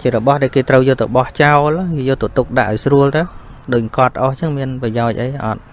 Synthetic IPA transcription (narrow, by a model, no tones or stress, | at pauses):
t͡ɕiəɾɔɓɑhɗaɛlkeːt̪rəwjɔːlt̪oɓɑht͡ɕaɔlijɔːlt̪ot̪uk̚ɗaʔːaɔjsruəlt̪ɨwɗoːc̚ŋkŏət̪ːʔoht͡ɕəŋmiənprɑjaɔc̚ʔəjʔɑ̰t̪̚